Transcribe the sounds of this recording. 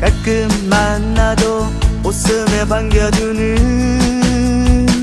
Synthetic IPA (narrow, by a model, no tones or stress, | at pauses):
kak͈ɯmːanːad̪o | osɯmebaŋɡjʌdunɯ